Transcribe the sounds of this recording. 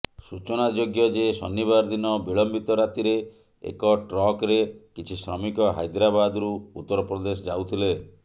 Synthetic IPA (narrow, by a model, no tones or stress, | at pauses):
sut͡ʃɔnad͡ʒoɡjɔd͡ʒesɔ̰nːiβaɾd̪inɔbiɭɔmbit̪ɔɾat̪iɾe | ḛkɔʈɾɔkɾekit͡ʃʰisɾɔ̰mikɔɦa̰jd̪ɾabad̪ɾuut̪ːɔɾɔpɾɔd̪esɔd͡ʒawt̪ʰile